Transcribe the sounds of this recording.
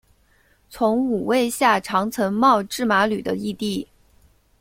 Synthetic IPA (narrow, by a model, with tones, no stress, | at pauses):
t͡sʰʊ˧˥ŋu˨˩we˥˧ɪɕja˥˩ʈ͡ʂʰɑ˧˥ŋt͡sʰə˧˥ŋmɑ˥˧ʊʈ͡ʂɻ̩˥˩ma˧˥ly˨˩d̪ə̰˦i˥˧t̪i˥˩